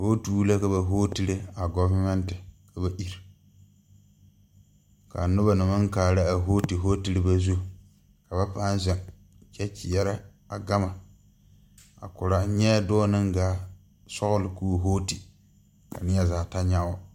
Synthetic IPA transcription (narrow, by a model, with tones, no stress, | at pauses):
ho˦tu˦la˦ka˨ba˨ɦoː˦ti˦lɪ˦a˨ɡɔ˦va˦mɛ˦ntɪ˨kʰa˨ba˨ʔi˦ɾ | ka̰˨nʊ˦ba˨nɨ˨mɨ˦ŋ˦kaː˨la˦a˨ɦoː˦ti˨ɦoː˦ti˨ɾɨ˦ba˦zu˦˨ | ka˨ba˦paː˦n˦zɛ˨ŋ | t͡ʃɛ˦t͡ʃi˨jɛ˦ɾɪ˦ | a˨ɡa˦ma˨ | a̰˨kʊ˨ɾa˨˦ɲɛ˦dɔː˦nɨ˦ŋɡaː˨˦ | sɔ˦ɣʊ˦lɪ˨kuː˦˨ɦoː˦ti˨ | ka̰˨nɪ˦ja˦zaː˨ta˦ɲa˦ɔ˦